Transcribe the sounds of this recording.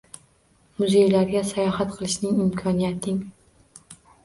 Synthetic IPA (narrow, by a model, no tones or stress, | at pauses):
mʊze̞jlaɾɡʲasajɒhat̪qʰɨlˠɪʃnɪŋɪmkʰɒnijat̪ʰɪŋ